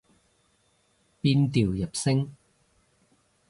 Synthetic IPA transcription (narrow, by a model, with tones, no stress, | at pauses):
piː˧nt̪iː˨wjɐ˨˩p̚sɪ˥ŋ